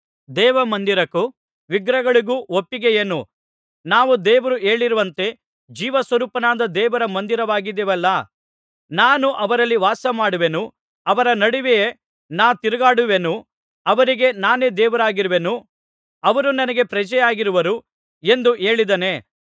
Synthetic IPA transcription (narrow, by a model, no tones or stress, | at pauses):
d̪ɛːʋɐmɐnd̪iɾɐkːu | ʋiɡɾɐɡɐɭiɡuːopːiɡejenu | naːʋud̪ɛːʋɐɾueːɭiɾuʋɐnt̪e̞ | d͡ʒiːʋɐsʋɐɾuːpɐnaːd̪ɐd̪ɛːʋɐɾɐmɐnd̪iɾɐʋaːɡid̪ɛʋɛlːɐ | naːnuʔɐʋɐɾɐlːiʋaːsɐmaːɽuʋenu | ɐʋɐɾɐnɐɽiʋeje | naːt̪iɾɐɡaːɽuʋenu | ɐʋɐɾiɡe̞naːne̞d̪ɛːʋɐɾaːɡiɾuʋenu | ɐʋɐɾunɐnɐɡe̞pɾɐd͡ʒɛjaːɡiɾuʋɐɾu | e̞nd̪uʔe̞ːɭid̪ɐne̞